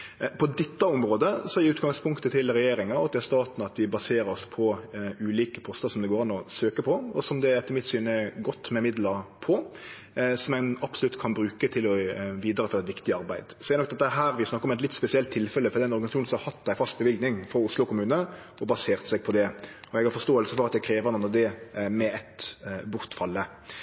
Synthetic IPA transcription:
pʰɔd̪ɪt̪ːəɔmɾoːd̪əsɔɪʉːt̪ɡɑŋspʰʊŋkt̪ət̪ʰɪlɾɛjeːɾɪŋɑɑt̪d̪ɛhæɾst̪ɑːt̪nɑt̪ʋɪbɑseːɾəɾɔspʰɔʉːliːkə̥pʰɔst̪əsɔmd̪ɛɡoːɾɑnːɔsøːkəpʰɔɔsɔmd̪ɛɾɛt̪ːəɾɪmɪt̪syːnəɛɡɔt̪ːmɛmɪd̪ləɾpʰɔ | sɔmæɪnɑpsʊlʉt̪ːkʰɑnbɾʉːkət̪ʰɪlɔʋiːd̪əɾəfɔɾɛt̪ʋɪkt̪ɪɑɾbæɪd̪sɔdɛɾnɔkd̪ɛt̪ːəɦæːɾʋɪsnɑkːəɾɔmɛt̪lɪt̪spɛsɪɛlt̪ʰːɪlfɛlːəfɔd̪ɛdɛnɔɾɡɑnsʃuːnsɔmhɑɾhɑt̪ːd̪æɪfɑst̪̚bəʋɪlɡnɪŋfɔʊslʊkʰʊmʉːnəɔbɑseːʁt̪sɛɡ̚pʰɔd̪ɛɔɛɡhɑɾfɔst̪oːəlsəfɔʁɑt̪̚d̪æɪkʰɾeːʋəʁnɑnɔd̪ɛmɛɛt̪bʊʁt̪fɑlːə

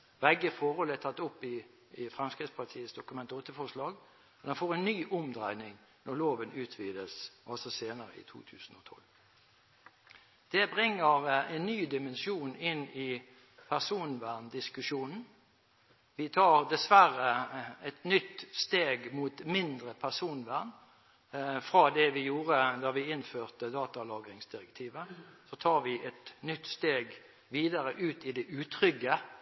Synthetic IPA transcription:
ʋɛɡːəfɔhɔlɛt̪ʰɑt̪ːʊpːɪ | ɪfʁɛmskʁɪt̪spʰɑt̪ʰiːəsd̪ʊkʉmɛnt̪ɔt̪ːəfɔʂlɑːɡ | ɔd̪ɛnfoːʁɛnːyːʔʊmd̪ʁæɪnɪŋnɔʁloːʋənʉːt̪ʰʋiːd̪əsɑlsɔseːnəɾə̰ɪ̰t̪ʰṵːt̪ʰʉ̰ːsn̩ɔt̪ʰɔ̰l | d̪̥ɛbʁɪŋːəʁɛnːyːd̪ɪmɛnʃuːnɪnːɪ | pʰæʁsuːnʋæʁnd̪ɪskʉʃuːnn̩ | ʋɪt̪ʰɑːʁd̪ɛsʋæʁəɛt̪nʏt̪ːst̪eːɡmuːt̪mɪnd̪ʁəpʰæʁsuːnʋæʁn | fʁɑd̪ɛʋɪjuːʁəd̪ɑʋɪɪnføːʁt̪əd̪ɑːt̪ɑlɑːɡɾɪŋsd̪ɪʁɛkt̪ʰiːʋəsɔt̪ʰɑːʁʋɪʔɛt̪nʏt̪ːst̪eːɡ | ʋiːd̪ɑʁəʔʉːt̪ɪd̪ɛʔʉːt̪ʰʁʏɡə

